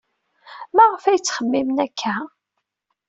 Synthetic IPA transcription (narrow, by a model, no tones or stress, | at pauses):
mæʁəfæjt͡sːχəmːimnækʰːæ